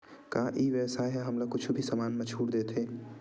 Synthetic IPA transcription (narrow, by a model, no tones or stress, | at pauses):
kaʔiːʋɛːsaɦɛɦɐmlakʊt͡ʃʰubʱisɐmaːnmẽt͡ʃʰuːɽd̪eːt̪ʰeː